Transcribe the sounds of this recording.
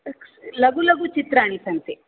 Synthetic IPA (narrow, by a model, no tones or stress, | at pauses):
lɐɡulɐɡut͡ʃit̪ɾaːɳisɐnt̪i